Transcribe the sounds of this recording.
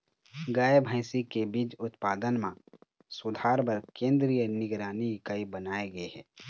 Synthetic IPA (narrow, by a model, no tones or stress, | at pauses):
ɡaːebʱə̃ːsikebiːd͡ʒʊt̪paːd̪ənmã | sʊd̪ʱaːɾbəɾkẽːnd̪ɾijənɪɡɾaːnikaibənaːeɡəeɦɛː